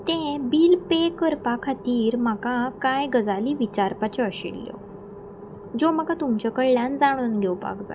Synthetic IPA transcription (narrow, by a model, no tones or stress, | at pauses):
t̪ẽbiːlpekəɾpakʰat̪iːɾm̤akakajɡəd͡zaliːʋit͡ɕaɾpat͡ɕɔəɕḭɽljɔ̰ | d͡ʑoməɡat̪umt͡ɕɔkəɭljãnd͡zaɽ̃uːnɡʱewpa̰kd͡za̰